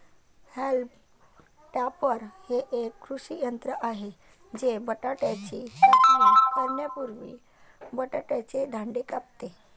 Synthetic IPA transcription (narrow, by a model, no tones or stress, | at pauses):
help | ʈjapəɾheʔekːɾuʂijənt̪ɾəʔaɦe | d͡ʑebəʈaʈjat͡ɕiːəiəɾnjəpuɾʋḭː | bəʈaʈjat͡ɕed̪ʱãɳɖekap̚t̪e